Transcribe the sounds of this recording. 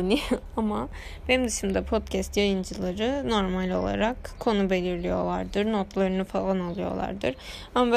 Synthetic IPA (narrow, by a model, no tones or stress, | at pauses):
nʲi | ama | b̥enimd̪yʃimd̪ɛpʰo̞t̪cʰɛst̪jajɯnd͡ʒɯlˠaɾɯno̞ɾmalʲo̞̰lˠa̰ɾakkʰːo̞nube̞lʲiɾlʲijo̞̰lˠaɾd̪ɯɾnot̪lˠaɾɯnɯfalˠanalˠɯjo̞̰lˠa̰ɾd̪ɯɾ̥ | amab